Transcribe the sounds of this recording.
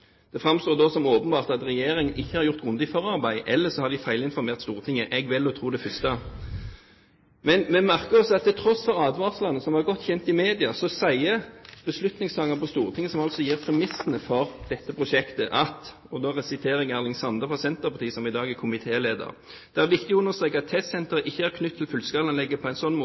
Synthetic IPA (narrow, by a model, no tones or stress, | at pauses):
d̪̥ɛfʁɑmst̪oːʁd̪osɔmoːpənbɑːʁt̪ɑt̪ʁɛjeːʁɪŋənɪçːəhɑɾjʊʁt̪ɡʁʊnd̪ɪfɔʁɑʁbæɪʔɛlːəsɔhɑd̪ɪfæɪlɪnfɔɾmeːʁt̪st̪uːʁət̪ʰɪŋːəʔɛɡʋɪlːɔt̪ʰɾuːd̪ɛfʏst̪ɑ | mɛnmɛmæʁkəʁɔsɔɑt̪ʰːɪlt̪ʰɾɔsfɔʁɑːd̪ʋɑːʁslɑnːəsɔmʋɑʁɡɔt̪ːçɛnt̪ɪmeːd̪ɪɑsɔsæɪəb̥əslʉt̪nɪŋst̪ʰɑːŋːəpɔst̪uːʁət̪ɪŋːəsɔmɑlsɔjiːʁpʰɾɛmɪsənəfɔɾd̪̥ɛt̪ːəpʰɾʊʂɛkt̪əʔɑt̪ | ɔd̪oːʁɛsɪt̪ʰeːɾɛɡæːʁnɪŋsɑnd̪əfɑsɛnt̪əʁpɑʁt̪iːəsɔmɪd̪ɑːɡækʰʊmɪt̪ʰeːleːd̪ə̰ʁ | d̪̥ɛæɾʋɪk̚t̪ɪʊnːəst̪ʁeːkəɑt̪ʰːɛst̪sɛnt̪əɾəʔɪçːəæʁkʰnʉt̪ʰːɪlfʉlskɑlɑnlɛɡːəpʰɔæɪnsɔnːmoː